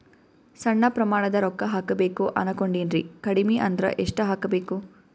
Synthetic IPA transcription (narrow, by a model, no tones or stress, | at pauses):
sɐɳːɐpɾɐmaːɳɐd̪ɐɾɔkːɐɦaːkɐbeːkuʔɐ̰nɐkoɳɖinɾikɐɽimiʔɐnd̪ɾɐ̰ʔeʂʈɐɦaːkɐbeːku